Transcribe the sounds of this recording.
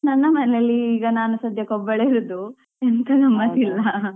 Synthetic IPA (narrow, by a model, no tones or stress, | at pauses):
nɐnːɐmɐnɛlɐlːiːɡɐnaːnusɐd̪ʱjɐkɔbːɐɭeiɾud̪u | ent̪ʰɐɡɐmːɐsilːɐ